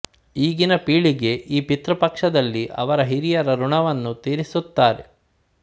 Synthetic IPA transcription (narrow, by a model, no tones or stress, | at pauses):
iːɡinɐpiːɭiɡe̞ʔiːpit̪ɾɐpɐkʂɐd̪ɐlːiʔɐ̰ʋɐɾɐɦiɾijɐɾɐɾuɳɐʋɐnːut̪iːɾisut̪ːaːɾḛ